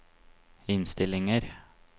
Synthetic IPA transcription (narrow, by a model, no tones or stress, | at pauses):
ɪnst̪ɪlɪŋəɾ